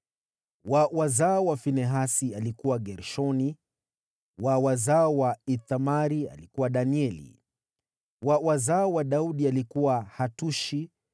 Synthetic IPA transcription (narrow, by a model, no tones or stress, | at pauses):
wawazaɔwafinɛɦasialikuwaɡɛɾʃɔni | wawazaɔwait̪amaɾia̰likuwaɗaniɛlḭ | wawazaɔwaɗauɗialikuwahatuʃi